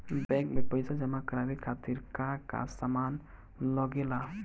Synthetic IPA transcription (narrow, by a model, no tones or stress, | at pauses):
bɛ̃kbepəɪsad͡ʒəmakɾabikʰat̪iɾkaka̰saman | lɔɡela